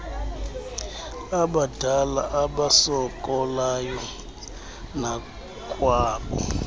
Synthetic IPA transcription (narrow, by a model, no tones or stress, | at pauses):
aɓadʱalaʔaɓasɔkʼɔlajɔ | na | kʼwaːɓɔ̰